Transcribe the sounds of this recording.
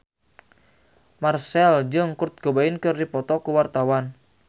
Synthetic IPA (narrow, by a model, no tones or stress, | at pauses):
marsɛld͡ʒɨŋkʊrt̪̚ɡ̥obaɪnkɨrdipɔt̪ɔkuwart̪awan